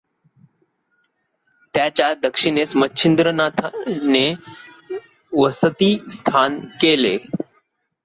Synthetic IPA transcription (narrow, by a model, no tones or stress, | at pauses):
t̪jat͡ɕjad̪əkʂiɳesmətːɕʰind̪ɾənat̪ʰane | ʋəsət̪iːst̪ʰankelḛ